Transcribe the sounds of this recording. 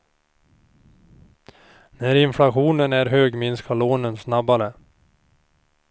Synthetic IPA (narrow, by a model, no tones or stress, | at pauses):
næɾɪnflaɧuːnənæɾɦøːɡmɪnskʰaloːnənsnabaɾə